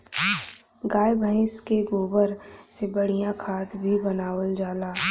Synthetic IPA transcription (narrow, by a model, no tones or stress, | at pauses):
ɡaːjbʱəɪ̃skeɡoːbəɾsebɐɽ̤ijãkʰaːt̪bʱibɐnaːwəld͡ʒaːlaː